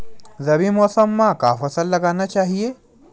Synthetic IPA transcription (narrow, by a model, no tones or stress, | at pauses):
zɐbimɔːsəmːãka̰ːfɐsəlːɐɡaːnat͡ʃaːɦieː